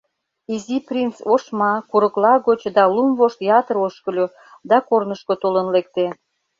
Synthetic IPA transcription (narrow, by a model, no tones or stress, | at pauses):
iziprʲint͡soʃmɑkuɾəklɑɣot͡ɕd̪ɑlumvoʃt̪jɑt̪əɾoʃkə̆lʲo | d̪ɑkornəʃkot̪olənlek̚t̪e